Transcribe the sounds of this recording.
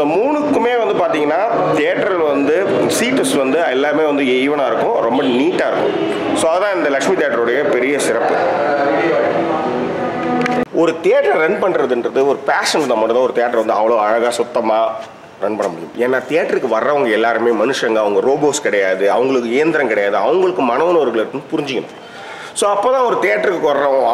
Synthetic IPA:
ɪd̪ɐmuːɳɯkːɯmeːʋɐnd̪ɯpaːɾt̪iːŋɡɐnːaː | t̪ɪjaʈːɐɾʋɐnd̪ɯ | siːʈːɐsʋɐnd̪ɯɛlːaːɾmeːʋɐnd̪ɯɛjʋɐɳãːɪɾɯkːʊ̃ɾɔmbɐniːʈːaːɪɾɯkːʊ̰̃ | soːɐðɐt̪ãːɪnd̪ɐlɐkʂmit̪ɪjaːʈːɐɾɔɽɐjɐpɛɾɪjɐsɪɾɐpːɯ | ɔɾɯt̪eaʈɾɐɾɐnpɐɳːɾɐðɯndɾɐðɯɔɾɯpaːʂɐnt̪aːmːɐːʈːɐt̪ãːɔɾɯt̪ɛjaːʈːɾʋɐnd̪ɯɐʋɐɭoːɐɻɐɣaːsʊt̪ːɐmaː | ɾɐnpɐɳːɐmʊɽɪjʊ̰̃meːnːaːt̪ejaːʈːɾɯkːɯʋɐrːɐʋɐŋɡɐɛlːaːɾɯmeːmɐnɯʂɐŋɡɐɐʋɐŋɡɐɾoːboːskɪɽɐjaːðɯɐʋɐŋɡɐɭɯkːɯɪjɐnd̪ɪɾɐ̃ŋkɪɽɐjaːðɯɐʋɐŋɡɐɭɯkːɯmɐnɐʋɐnɔɾɣɐɭɐɾkːɯnɯpʊɾɪɲd͡ʒɪkːɐñ̰ː | soːɐpːoːt̪ãːɔɾɯt̪ejaʈːɾɯkːɯkːɔɾɐɾɐ̃

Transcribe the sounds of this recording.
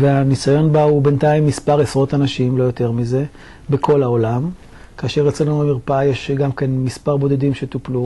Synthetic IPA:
veanisajo̞nbaube̞ntaimːispaʁesʁo̞t̪anaʃimlo̞jo̞t̪e̞ʁmize̞ | bekʰo̞laolam | kaːʃe̞ʁet͡selnuamiʁpajeʃɡamkenmispaʁbo̞d̪ed̪imʃe̞t̪uplu

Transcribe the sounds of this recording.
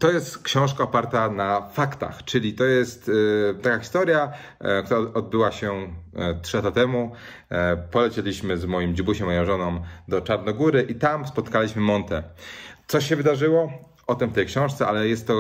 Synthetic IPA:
t̪ɔjɛst̪kɕɔ̃w̃ʂkaɔpaɾt̪anafakt̪a̰xt͡ʂɘlʲit̪ɔjɛst̪t̪ːakaxʲist̪ɔɾʲja | kt̪uɾaɔd̪̚bɘwaɕɛt̪ʂɘlat̪at̪ɛmu | pɔlɛt͡ɕelʲiɕmɘzmɔjimd͡ʑibuɕɛmɔjɔ̃w̃ʐɔnɔ̃w̃d̪ɔt͡ʂaɾnɔɡuɾɘʔit̪amspɔt̪kalʲiɕmɘmɔnt̪ɛt̪sɔɕɛvɘd̪aʐɘwɔ | ɔt̪ɛmft̪ɛjkɕɔ̃w̃ʂt̪sɛʔalɛjɛst̪ːɔ

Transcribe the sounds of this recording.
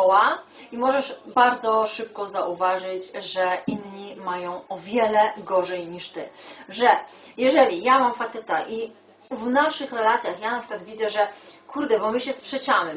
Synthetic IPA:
ɔwaimɔʐɛʂbaɾd̪zɔʂɘp̚kɔzaʔuvaʐɘt͡ɕʐɛʔinɲimajɔ̃w̃ɔvʲjɛlɛɡɔʐɛjɲiʂt̪ɘʐɛjɛʐɛlʲijamamfat̪sɛt̪aʔi | vnaʂɘxɾɛlat̪sʲjaxjanapʂɘ̥kwad̪vʲid̪zɛʐɛkʰuɾd̪ɛbɔmɘɕɛspʂɛt͡ɕamɘ

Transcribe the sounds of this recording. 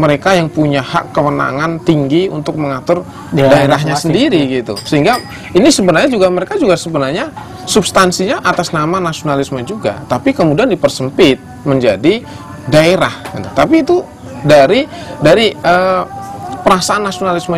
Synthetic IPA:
məɾekajaŋpuɲaha̰kːəwəna̰ŋant̪iŋɡiṵnt̪ʊk̚məŋat̪ʊr | daeɾaɦɲasəndiɾiɡit̪ṵsəɦiŋɡa | inisəbənarɲad͡ʒuɡaməɾekad͡ʒuɡasəbənarɲa | subst̪ansiɲaʔat̪asnamanasionalisməd͡ʒuɡa̰t̪apikəmudiandipərsəmpɪt̪̚məɲd͡ʒadi | daeɾahɡit̪ut̪apiːt̪u | daɾidaɾiə | pəɾasaːnːasionalismə

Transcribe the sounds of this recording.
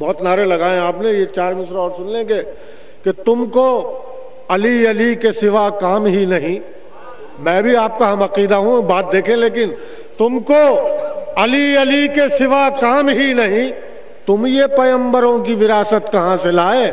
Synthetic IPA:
bɔːt̪naːɾelɐɡaːẽaːpnejet͡ʃaːɾmɪsɾɔːɾsʊ̃nlẽɡe | ket̪ʊmko | ɐliɐlikesɪʋakaːmɦinɐɦĩ | mɛ̃ːbʱiaːp̚kaɦɐmɐqiːd̪aɦũbaːt̪̚d̪eːkʰẽleːk̬ɪn | t̪ʊmko | ɐliɐlikesɪʋakaːmɦinɐɦĩ | t̪ʊmjepɐjə̃mbəɾõk̬iʋɪɾaːsət̪kɐɦãselaːe

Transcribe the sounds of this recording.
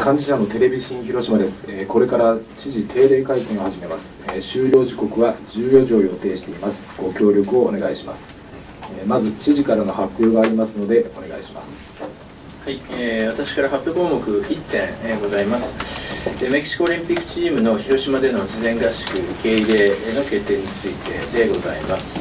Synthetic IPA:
kʰãɲ̟d͡ʑiɕano̞t̪e̞ɾe̞bʲiɕĩɰ̃çiɾo̞ɕimad̪e̞sɨ̥eko̞ɾe̞kaɾat͡ɕiʑit̪ʰe̞ːɾe̞ːkaikẽo̞haʑime̞masɨ̥ɕɨːɾʲo̞ːʑiko̞kɯ̟βad͡ʑɨːjo̞ʑo̞ːjo̞t̪e̞ːɕi̥t̪e̞imasɨ̥ɡ̥o̞kʲo̞ːɾʲo̞kɯ̟o̞ːne̞ɡaiɕimasɨ̥ | emazɨt͡ɕiʑikaɾano̞hakːoːɡaːɾʲimasɨno̞d̪e̞o̞̰ne̞ɡa̰ḭɕima̰sɨ̥ | haieːβat̪aɕi̥kaɾahapːebõːmo̞kɯ̟çʲit̪ːẽ̞ɰeɡo̞zaimasɨ̥emekʲi̥ɕi̥kooɾʲĩmpʲikːɯ̥t͡ɕiːmɯ̟no̞çiɾo̞ɕimad̪e̞no̞d͡ʑizẽ̞ŋɡaɕi̥kɯ̟ke̞iɾe̞ːno̞ke̞t̪ːe̞ːɲ̟it͡sɨit̪e̞̰d̪e̞ɡo̞zaimasɨ̥

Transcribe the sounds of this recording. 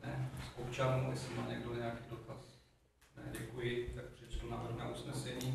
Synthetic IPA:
nɛskopt͡ʃanuɛ̰sɛmaːɲɛɡdoɲɛakiːdo̞t̪as | nɛ̰ɟɛkujɪt̪akpr̥ɛt͡ʃt̪unaːvr̩ɣnaʔusnɛsɛɲiː

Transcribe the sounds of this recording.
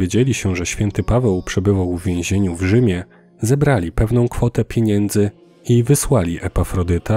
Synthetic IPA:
ed͡ʑelʲiɕɛʐɛɕfʲjɛnt̪ɘpavɛwpʂɛbɘvawvːʲjẽw̃ʑeɲuvʐɘmʲjɛ | zɛbɾalʲipɛvn̪ɔ̃w̃kfɔt̪ɛpʲjeɲɛnd̪zɘ | ivɘswalʲiʔɛpafɾɔd̪ɘt̪a

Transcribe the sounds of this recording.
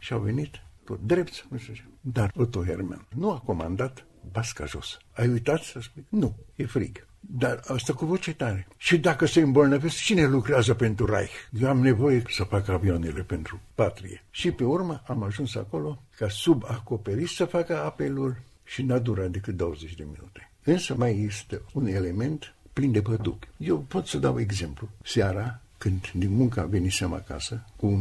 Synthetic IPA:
ʃiawve̞nit̪ːot̪̚d̪ɾept̪sʲmuʃt̪et͡ʃemd̪arot̪oɦḛrma̰nnuako̞ma̰nd̪at̪ | baska̰ʒo̞̰sə̥ajujt̪at̪səspujnujefɾḭɡ | d̪arast̪akuvot͡ʃet̪aɾeʃid̪akəseɨmbolnəvest͡ʃine̞lukɾeazəpe̞nt̪ɾura̰jjewamne̞vo̞jesəfakəavionele̞pe̞nt̪ɾupat̪ɾḭjeʃipe̞urməʔamaʒunsa̰ko̞lo̞kasubako̞pe̞ɾit̪səfakəape̞lul | ʃinad̪uɾat̪̚d̪e̞kɨt̪̚d̪o̞wəzet͡ʃʲd̪e̞minut̪e | ɨnsəmajest̪eune̞le̞me̞nt̪plind̪e̞pəd̪ṵpʲje̞wpo̞t̪səd̪awe̞ɡze̞mplusaɾa | kɨnd̪d̪inmuŋkaa̰ve̞niseam̰a̰ka̰səku

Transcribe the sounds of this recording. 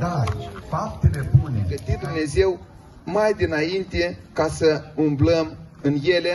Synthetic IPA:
d̪afap̚t̪elepunʲeɡət̪id̪umne̞ze̞w | majd̪inaint̪e̞kasəumbləmɨnje̞le

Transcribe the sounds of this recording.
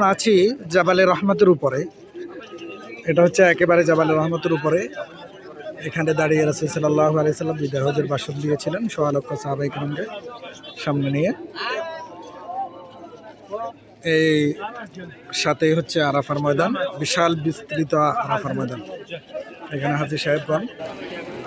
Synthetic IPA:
at͡ɕʰid͡ʑabaleɾɔɦmat̪̬eɾupoɾe | eʈaɦotːɕʰeɛkebaɾed͡ʑabaleɾɔɦmat̪eɾup̬oɾe | ekʰaned̪aɽieɾʌsulsɐlːalːaɦualeɦosɐlːambid̪aɦod͡ʑeɾbaʃot̪d̪ijet͡ɕʰilenʃoalɔk̚t̪ːasaɦabajkɾɔŋke | ʃamnenije | ej | ʃat̪ejɦotːɕʰeaɾafaɾmɔjd̪anbiʃalbist̪ɾit̪oaaɾafaɾmɔjd̪an | ekʰaneɦaziʃaɦebɾɔn

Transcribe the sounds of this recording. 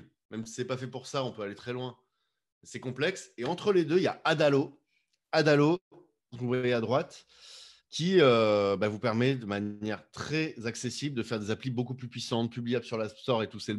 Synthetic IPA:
mɛmsi̥sɛpafɛpuʁsaɔ̃pøalet̪χɛlwɛ̃ | sɛkɔ̃plɛkseɑ̃t̪χəled̪øijaad̪alo | ad̪alõ | kɔ̃vwajɛad̪ʁwat̪ | kʲʰiøbavupɛʁmɛd̪əmanjɛʁt̪χɛzaksesibld̪əfɛʁd̪ezaplibokuplypɥisɑ̃t̪̚pyblijablsyʁlast̪ɔʁet̪usɛl

